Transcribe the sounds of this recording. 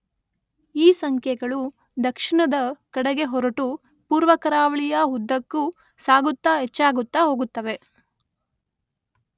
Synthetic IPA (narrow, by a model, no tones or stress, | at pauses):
iːsɐŋkʰjɛɡɐɭu | d̪ɐkʂiɳɐd̪ɐkɐɽɐɡe̞ɦɔɾɐʈu | puːɾʋɐkɐɾaːʋɐɭijɐɦud̪ːɐkːu | saːɡut̪ːaɦet͡ʃːaːɡut̪ːɐɦo̞ːɡut̪ːɐʋe̞